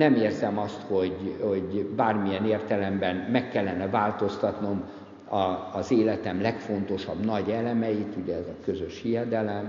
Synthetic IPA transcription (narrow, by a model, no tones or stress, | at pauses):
nɛmeːrzɛmɒst̪ho̞ɟhoɟbaːrmijɛneːrt̪ɛlɛmbɛnmɛkːɛlːɛnːɛvaːlt̪o̞st̪ɒt̪no̞m | ɒːzeːlɛt̪ɛmlɛkfo̞n̪t̪o̞ʃɒbnɒɟɛlɛmɛjit̪uɟɛɛzɒkø̞zøʃhijɛd̪ɛlɛm